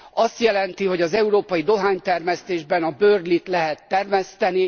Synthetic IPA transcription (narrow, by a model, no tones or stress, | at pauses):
ɒst̪jɛlɛnt̪iɦo̞ɟɒzɛuɾoːpɒjid̪o̞ɦaːɲt̪ɛrmɛst̪eːʒbɛnɒbøːrlit̪lɛɦɛt̪ːɛrmɛst̪ɛni